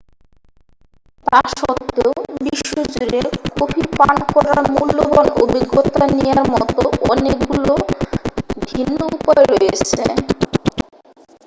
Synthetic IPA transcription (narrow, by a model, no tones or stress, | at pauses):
t̪aʃɔt̪ʰːeobiʃːod͡ʑuɾekobʰipaɳkɔɾaɾmulːobɔnobʱiɡot̪anejaɾmɔt̪oʔɔnekɡulo | bʱinːoupɔeɾɔjet͡ɕʰḛ